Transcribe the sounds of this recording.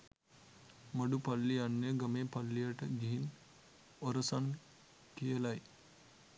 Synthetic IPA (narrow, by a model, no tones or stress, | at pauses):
məɖupalːijanːeɡəmeːpɐlːijaʈəɡiɦin | oɾəsan | kijəlaj